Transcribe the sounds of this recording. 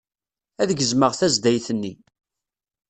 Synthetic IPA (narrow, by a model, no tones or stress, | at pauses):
æðəɡəzməʁθæzd̪æjθənːi